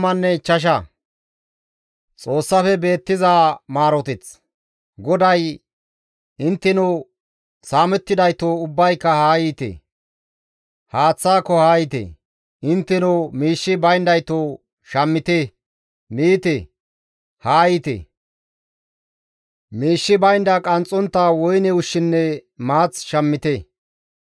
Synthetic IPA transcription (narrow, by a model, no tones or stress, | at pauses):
mɐnːɛt͡ʃːɐʃ̬ɐ | t͡sʼo̞ːsːɐfɛbe̞ːt̪ːɪzaːmaːɾɔt̪ɪt͡s | ɡɔd̪ɐj | ɪnt̪ːɪnʊ | saːmɛt̪ːɪd̪ɐjt̪oːʊbːɐjkːɐhaːjiːt̪ḛ | haːt͡sːaːkːɔhaːjɪt̪ɛ̰ | ʔɪnt̪ːɛnomiːʃːɪbɐjnd̪ɐjt̪oː | ʃɐmːɪt̪e | miːt̪e | haːjɪt̪ḛ | miːʃːɪbɐjnd̪ɐkʼɐnt͡sʼːɔnt̪ːaːwɔjnɛʊʃːɪnːɛmaːt͡sʃɐmːɪt̪e